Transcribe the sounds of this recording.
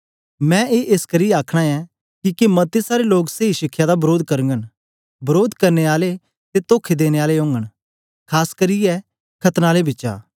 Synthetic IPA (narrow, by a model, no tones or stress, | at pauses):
mɛ̃eːʔeːskɐɾijɛaːkʰɽ̃aɛ | kikemɐt̪ːesaːɾeloːkseːiʃɪkʰːjad̪abɐɾoːd̪kɐɾə̃ŋɡən | bɐɾoːd̪kɐɾneaːle | t̪et̪oːkʰed̪eːñeaːleɦõːŋɡəɽ̃ | kʰaːskɐɾijɛ | kʰɐt̪naːlebɪːʃa̰ː